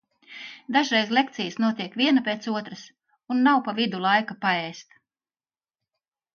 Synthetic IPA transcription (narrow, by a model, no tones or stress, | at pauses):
d̪aʒɾɛjzlʲˠek̚t̪sijəsnuɔt̪iɛkvʲiɛnapʲeːt̪suɔt̪ɾəs | unːawpavid̪ulˠajkapaɛːst̪